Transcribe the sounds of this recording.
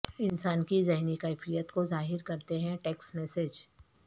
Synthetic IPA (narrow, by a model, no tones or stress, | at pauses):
ɪnsaːnkizɛɦnikɛːfijət̪kozaːɦɪɾkɐɾt̪eɦɛ̃ʈeːksmɛːsed͡ʒ